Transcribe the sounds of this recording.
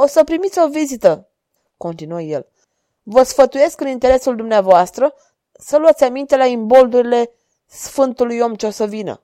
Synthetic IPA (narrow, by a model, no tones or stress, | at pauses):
o̞səpɾimit̪sʲo̞vizit̪ə | ko̞nt̪inuəje̞̰l | vəsfət̪uje̞skɨnint̪e̞ɾe̞suld̪umneavoast̪ɾə | səluat̪sʲamint̪e̞laimbo̞ld̪uɾile̞ | sfɨnt̪ulujo̞mt͡ʃosəvinə̰